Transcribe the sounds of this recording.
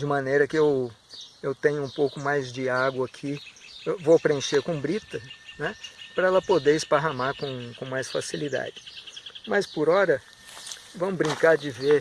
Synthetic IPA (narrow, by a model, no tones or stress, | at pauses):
d͡ʒɪmɐ̃nejɾɐkɪew | ewt̪ẽɲʊũpowkʊmajzd͡ʒɪaɡwɐakʰiewvowpɾeẽʃeɾkõbɾit̪ɐnɛpɾɐɛlɐpod̪eɾɪspaɦamaɾkõkõmajsfasilid̪a̰d͡ʒɪmɐspʊɾɔɾɐ | vɐ̃mʊbɾĩŋkaɾd͡ʒɪveɾ